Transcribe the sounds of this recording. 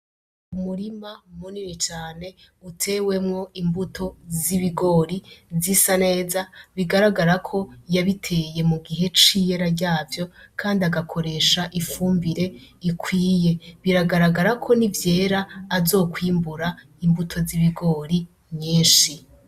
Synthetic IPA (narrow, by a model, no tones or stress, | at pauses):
umuɾimamuninit͡ʃaːne̞ | utʰe̞we̞mŋo̞imbutʰo̞ziβiɡo̞ːɾizisane̞ːzaβiɡaɾaɡaɾakʰo̞jaβitʰe̞je̞muɡiɦe̞t͡ʃije̞ɾaɾɟaːvjo̞kʰaːndiaɡakʰo̞ɾe̞ʃaʔifuːmbiɾe̞ikʰwiːje̞βiɾaɡaɾaɡaɾakʰo̞nivje̞ːɾaːzo̞ːkwiːmbuɾa | imbutʰo̞ziβiɡo̞ːɾi | mɲiːnʃi